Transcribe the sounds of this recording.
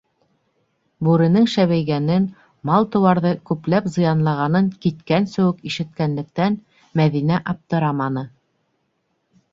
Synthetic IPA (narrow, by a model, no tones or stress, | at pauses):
bʉɾɘ̆nɘŋʃæβæjɣɡænɘn | mɑlˠt̪ɤ̆wɑɾðɤkʉplæpzɤ̆jɑnlˠɑʁɑnɤŋkit̪kænsɵ̆wɘkiʃɘ̆t̪kænlɘ̆k̚t̪æn | mæðinæʔɑp̚t̪ɤ̆ɾɑmɑnɤ